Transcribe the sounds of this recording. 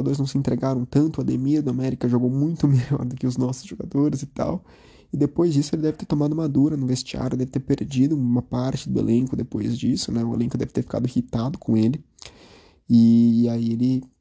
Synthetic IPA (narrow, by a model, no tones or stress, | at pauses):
ʒoɡad̪oɾɪznɐ̃w̃sɪẽnt̪ɾeɡaɾɐ̃w̃t̪ɐ̃nt̪ʊad̪emiɐd̪ʊamɛɾikɐʒoɡowmũj̃t̪ʊmeʎɔ̰ɾd̪ʊkɪʊznɔsʊ̥zʒoɡa̰d̪oɾɪzɪt̪a̰w | ɪd̪epojzd͡ʒisʊelɪd̪ɛvɪt̪eɾt̪omad̪ʊumad̪uɾɐnʊ̃vest͡ʃia̰ɾjʊd̪ɛvɪt̪eɾpeɾd͡ʒid̪ʊ̃mɐpaɾt͡ʃɪd̪ʊḛlʔẽŋkʊd̪epojzd͡ʒisʊnɛʊḛlẽŋkʊd̪ɛvɪt̪eɾfi̥ka̰d̪ʊɪhit̪ad̪ʊkʰõelɪ | ɪaielɪ